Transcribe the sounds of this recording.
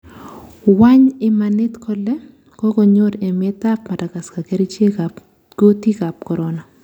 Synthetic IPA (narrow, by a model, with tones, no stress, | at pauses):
wa˦ɲɪ˦manɪ˦tkʰɔlɛ˦ | kɔ˦ɡɔ˨ɲo˦ɾe˨me˦ta˦pma˨da˨ka˨ska˨ke˦ɾi˦t͡ʃe˦a | ɡ̥o˦ti˦ka˨p̚kɔ˨ɾɔna˨